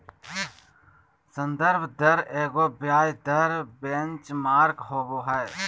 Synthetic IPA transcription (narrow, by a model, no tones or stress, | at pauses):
sənd̪əɾbʱd̪əɾeːɡoːbjaːjd̪əɾbẽnt͡ʃmaːɾkɦoːboːɦɛː